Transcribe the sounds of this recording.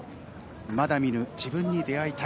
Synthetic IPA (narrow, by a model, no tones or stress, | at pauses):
mad̪amʲinɯ̟d͡ʑibɯ̟̃ɲːid̪e̞ait̪a